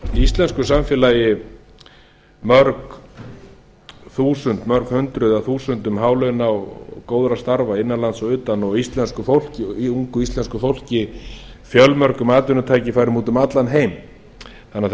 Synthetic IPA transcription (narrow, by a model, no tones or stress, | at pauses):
ist̪lɛnskʏsamfjɛlaːjɪ | mœɾk | θuːsʏnt̪mœɾkhʏnt̪ɾʏðaθuːsʏnt̪ʏmɦaːwlœnawkoːwðɾast̪aɾvaɪnːalant̪sɔʏːt̪anɔɣist̪lɛnskʏfowl̥cɪuŋkʏist̪ɛnskʏfowl̥cɪ | fjœlmœɾkʏmaːt̪ʏnʏt̪ʰaːjcɪfaːjɾʏmuːt̪ʏmat̪lanɦeːjm | θanːa